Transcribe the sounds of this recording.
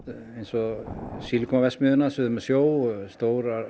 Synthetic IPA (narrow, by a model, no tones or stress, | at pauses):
ejnsɔsiːlkʰɔmavɛsmʏðʏnasʏðʏmɛsjoːwst̪oːwɾa